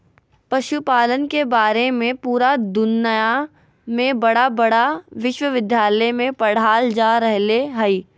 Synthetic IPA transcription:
pɐʃupaːlənkebaːɾemẽpuːɾad̪ʊnːəja | mẽbɐɽabɐɽaʋɪʃwəʋɪd̪ʱjaːləjmẽpɐɽ̤aːld͡ʒaːɾɛɦleɦɐiː

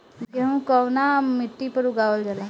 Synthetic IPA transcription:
ɡeũkɔwnamɪʈːipəɾuɡaːʋəld͡ʒala

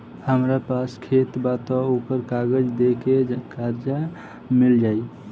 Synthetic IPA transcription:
həmɾapaskʰet̪bat̪ɔokəɾkaɡəd͡ʒd̪ekekaɾd͡ʒa | mild͡ʒaj

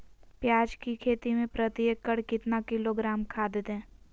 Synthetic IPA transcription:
pjaːd͡ʒkikʰeːt̪imẽpɾət̪ijəkːəɽkɪt̪nakɪloɡɾaːmkʰaːd̪ɪt̪ɦɛ̃ː

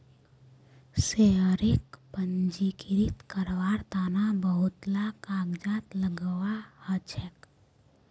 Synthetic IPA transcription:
seɦəɾɪkpənd͡ʒikɪɾit̪kəɾʋaːɾt̪aːnabəɦʊt̪lakaːɡd͡ʒaːt̪ləɡəwahət͡ʃʰɛk

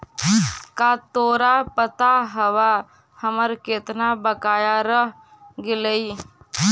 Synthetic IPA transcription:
kat̪oːɾapət̪aɦəwa | həməɾkeːt̪nabəkaːjaɾəɦ | ɡɪləi

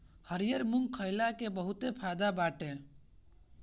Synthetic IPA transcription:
həɾijəɾmuŋɡkʰːəɪlakebəɦut̪epʰad̪abaːʈe

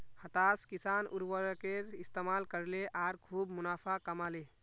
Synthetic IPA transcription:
hət̪aːskisanuɾwəɾkeɾɪst̪emaːlkəɾleʔaːɾkʰuːbmʊnaːpʰakəmaːle

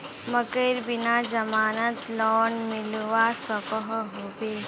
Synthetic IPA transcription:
məkəɪɾbɪnad͡ʒɐmaːnət̪lɔːnmɪlʋasəkəɦɦoːbeː

